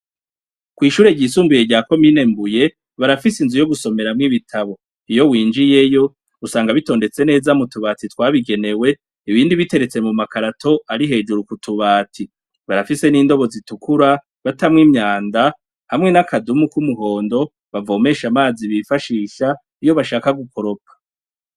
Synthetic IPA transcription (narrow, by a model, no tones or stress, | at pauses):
kwiːʃuːɾe̞ɟiːsuːmbujeɟaːko̞miːne̞mbuje̞ | βaɾafisinzujoɡuso̞me̞ɾamŋiβitʰaβo̞ | ijo̞wiːnd͡ʒije̞jo̞ | usaːŋɡaβito̞ːnde̞t͡se̞ne̞ːzamutuβaːtitwaːβiɡe̞ne̞we̞ | iβiːndiβite̞ɾe̞t͡se̞mumakaɾatʰo̞ʔaɾiɦe̞d͡ʒuɾukutʰuβaːtʰi | βaɾafise̞niːndo̞βo̞zitukuɾa | βatamŋiːmɲaːnda | hamŋe̞nakʰadumukumuɦo̞ːndo̞ | βavo̞ːme̞ːʃamaːziβifaʃiːʃa | ijo̞βaʃaːkaɡukʰo̞ɾo̞kʰḁ